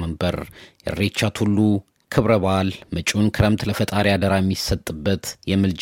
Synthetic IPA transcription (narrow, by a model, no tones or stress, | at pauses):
məmbəɾjɛ̰rːet͡ʃːat̪hulːu | kʰɨβɾəβalmət͡ʃʼunkʰɨɾəmt̪ləfət̪ʼaɾijad̪əɾajɛmːisət̪ʼːɨbːət̪jɛmɨld͡ʒ